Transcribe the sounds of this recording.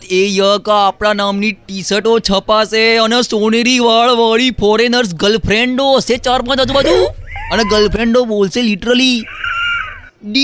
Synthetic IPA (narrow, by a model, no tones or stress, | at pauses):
t̪ʰejəkaːpɽanamniʈisəʈot͡ʃʰəpaseənesoɽ̃eɾiʋaɭʋaɭifʰɔɾenəɾs̬ɡəlpʰɾeɳɖoset͡ʃaɾpãd͡ʒ̪ad̪ũbəd̪ʱũəneɡəlpʰɾẽɳɖobolseliʈəɾəli | ɖi